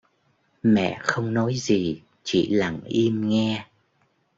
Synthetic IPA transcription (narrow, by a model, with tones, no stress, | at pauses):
mɛ̰˧˨xə˧wŋ͡mnɔ˨˦jzi˨˩ | t͡ɕḭ˧˩˨la˨˩ŋʔi˧əmŋɛ˧